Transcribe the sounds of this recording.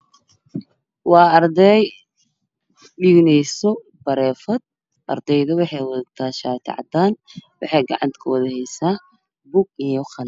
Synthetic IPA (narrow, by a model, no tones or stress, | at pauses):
wɑːɐrd̪ɛj | ɖiːɡnɛjsɔ | b̥ɐɾɛːfɐd̪̚ | ʔɐrd̪ɛjðʊwɑħɑjwɑðɐt̪ʰaːʃaːt̪ʰɪ̰ʕɑ̰d̪aːnwɑħɑjɡɑ̰ʕɑ̰nt̪kʰɐwɐðɐhɛjsaː | buɡɪjɔχɐl